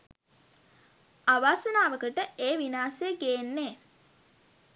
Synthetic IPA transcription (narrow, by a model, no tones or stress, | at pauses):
aʋaːsənaːʋəkəʈəeːʋinaːsejəɡeːnːeː